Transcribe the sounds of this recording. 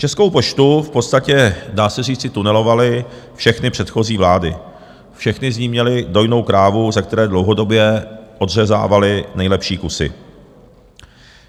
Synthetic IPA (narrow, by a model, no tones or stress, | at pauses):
t͡ʃɛsko̞wpo̞ʃt̪ufpo̞t̪st̪acɛdaːsɛr̝iːt͡sɪt̪unɛlo̞valɪfʃɛxnɪpr̥ɛt̪xo̞ziːvlaːdɪ̰ | fʃɛxnɪzɲiːmɲɛlɪdo̞jno̞wkɾaːvuzak̚t̪ɛɾɛːdlo̞wɦo̞do̞bjɛʔo̞dr̝ɛza̰ːvalɪnɛjlɛpʃiːkusɪ̰